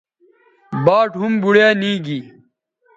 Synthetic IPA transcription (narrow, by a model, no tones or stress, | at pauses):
baːʈɦumbuɽjaːniːɡi